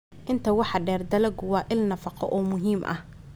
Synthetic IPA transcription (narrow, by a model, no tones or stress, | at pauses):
ʔɪnt̪ʰɐwɑħɑɖɛːrd̪ɐlɐɡʊwɑːʔɪlnɐfɑqɔ̰ʔɔːmʊɦiːmʔɐ̰h